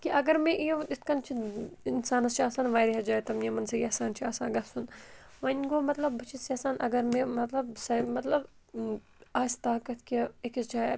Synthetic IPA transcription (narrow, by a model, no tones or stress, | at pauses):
kiʔɐɡɐɾmẽʔijɪt̪̚ʰkɐnt͡ʃʰiinsaːnɐst͡ʃʰiaːsaːnʋaːjɾiɦɐd͡ʒaːet̪ɐmjɐmɐnsɐjaːsaːnt͡ʃʰiaːsãːɡɐsunʋɐnɡoːmɐt̪lɐbbɐt͡ʃʰisjɐːsaːnʔɐɡɐɾmẽmɐt̪lɐbsɐmɐt̪lɐb | aːsʲt̪aːkɐt̪̚ʰkiekist͡ʃʰaː